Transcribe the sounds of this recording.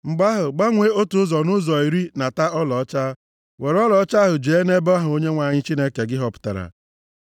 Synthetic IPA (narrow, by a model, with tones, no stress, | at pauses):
ŋ͡m̩˨ɡ͡ba˦ɦʊ˨ɡ͡ba˦ŋʷe˦o˦tu˨˦zɔ˨nʊ˦zɔ˨i˨ɾi˦na˨ta˦ɔ˦lɔ˨ɔ˦t͡ʃa˦ | we˨ɾɔ˦lɔ˨˦t͡ʃa˦ɦʊ˨d͡ʒe˨e˦ne˦bɔ˦ɦʊ˨o˦ɲe˦ŋʷa˨ɲɪ˦t͡ʃi˦ne˦ke˨ɡɪ˦ɦɔ˦pʊ̥˦ta̰˨ɾa̰˨